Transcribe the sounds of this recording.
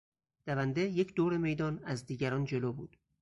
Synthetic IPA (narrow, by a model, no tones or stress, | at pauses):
d̪̥ævænd̪ejecʰd̪oːɾe̞me̞jd̪ɒːnæzd̪iːɟæɾɒːnd͡ʒe̞loːbṵːd̪̥